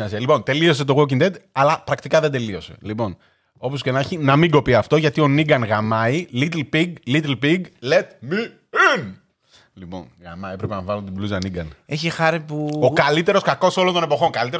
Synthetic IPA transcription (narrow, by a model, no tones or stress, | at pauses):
ɐsiɐlipo̞nt̪e̞lio̞s̬e̞t̪o̞ɣocind̪et̪ɐlɐpɾɐkt̪ikɐðend̪e̞lio̞se̞̰lipo̞n | o̞po̞sce̞nɐçinɐmiŋɡo̞piɐft̪o̞ʝɐt̪io̞niɡɐnɣɐmɐilit̪lpiɡlit̪lpiɡlet̪mi | in | lipo̞̰nɣɐ̰mɐepɾepenɐvɐlunt̪ibluzɐniɡɐneçixɐɾipuokɐlit̪e̞ɾo̞skɐko̞so̞lo̞nt̪o̞nepo̞xo̞ŋkɐlit̪eɾ